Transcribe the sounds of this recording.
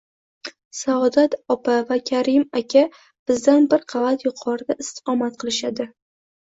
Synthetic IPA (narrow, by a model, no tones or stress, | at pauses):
saɒd̪at̪ɒpʰavakʲʰaɾɪmakʲʰa | b̥ɪzd̪anbɪɾqʰɑvat̪jʊqʰɒɾɪd̪aɪst̪ɨ̥qʰɒmat̪̚qʰɨlˠɪʃad̪ɪ